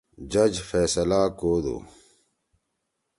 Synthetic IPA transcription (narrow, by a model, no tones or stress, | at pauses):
d͡ʑɐd͡ʑfeːsɐlaːkoːd̪o̰ː